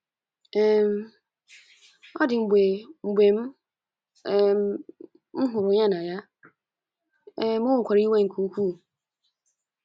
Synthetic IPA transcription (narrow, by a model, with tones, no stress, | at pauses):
ɛ˨m | ɔ˦dɪ˨m̩˨be˨m̩˨be˨m˦˨ | m̩˦ɦʊ˨ɾʊ˨ɲã˦nã˨ja˦ | mʊ̃˦ŋ̩˨kʷʰa˨ɾi˦i˦wã˦˨ŋ̩˨kʰu˨˦kʰu˦˨